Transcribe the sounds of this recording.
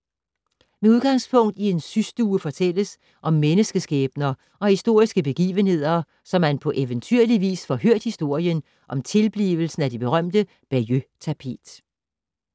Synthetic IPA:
meuðˠɡ̥ɑ̈ŋspʰɔ̽ŋ̰d̥ie̝nsysd̥uːəfɒ̽t͡sʰel̰əs | ʔɒ̽mːenəsɡ̥əsɡ̥ɛːb̥nɐ | ɒ̽hisd̥o̝ɐ̰isɡ̥əb̥e̝ɡ̥ḭːʋənhe̝ð̰ˠɐ | sɒ̽mænpʰɒ̽ʔeʋənt͡sʰyɐliʋḭːsfɒɦøɐ̰d̥hisd̥o̝ɐ̰jən | ʔɒ̽mt͡sʰe̝lb̥lḭːʋl̩sn̩æd̥ib̥e̝ʁɶm̰d̥ə | b̥æjøt͡sʰæpʰe̝̰ːd̥

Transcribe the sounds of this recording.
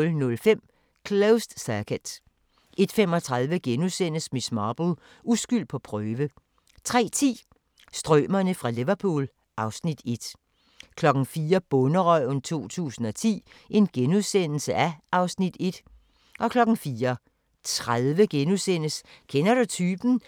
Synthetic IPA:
lnɔ̽lfem̰ | kʰloʊsd̥sækʰəd̥ | e̝d̥fem̰ɒ̽t͡sʰʁaðˠʋəɡ̥enuðˠsen̰əsmismɑːb̥l̩ | usɡ̥yl̰d̥̚pʰɒ̽pʰʁœːʋə | t͡sʰʁɛ̰ːt͡sʰḭː | sd̥ʁœːmɐnəfʁɑ̈liʋɐpʰṵːl | ʔɑ̈ʊsnid̥e̝d̥ | kʰlɒ̽ɡ̥n̩fiːɐb̥ɔ̽nəʁɒɪ̰nt͡sʰo̝̰ːt͡sʰṵːsn̩ɒ̽t͡sʰḭː | ʔe̝nɡ̥enuðˠsen̰l̩səʔæɑ̈ʊsnid̥e̝d̥ | ʔɒ̽kʰlɒ̽ɡ̥n̩fiːɐ | t͡sʰʁaðˠʋəɡ̥enuðˠsenəskʰenɐɾ̥ut͡sʰyːb̥n̩

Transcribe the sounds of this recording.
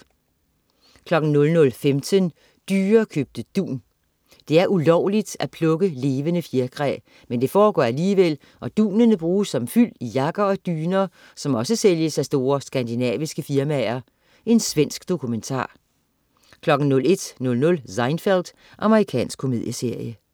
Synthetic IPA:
kʰlɒ̽ɡ̥n̩nɔ̽lnɔ̽lfemt͡sʰən | d̥yːɐːkʰøb̥̚d̥əd̥ṵːn | d̥e̝æɐʔulɒʊ̰lid̥æpʰlɔ̽ɡ̥əle̝ːʋənəfjeɐɡ̥ʰʁɛ̰ | mend̥e̝fɒːɡ̥ɒ̰ːæliːʋel̰ | ʔɒ̽d̥ṵːnənəb̥ʁuːsːɒ̽mfyl̰ijɑ̈ɡ̥ɐɒ̽d̥yːnɐː | sɒ̽mɒ̽səseljəsæsd̥o̝ːɐsɡ̥ænd̥inɛ̰ːʋisɡ̥əfiɐmæɐ | ʔe̝nsʋen̰sɡ̥d̥o̝kʰument͡sʰɑ̰̈ː | kʰlɒ̽ɡ̥n̩nɔ̽le̝d̥nɔ̽lnɔ̽lsɑ̈ɪnfeld̥ | ʔɑ̈məʁikʰɛ̰ːnsɡ̥kʰːo̝me̝ðˠjəse̝ɐ̰jə

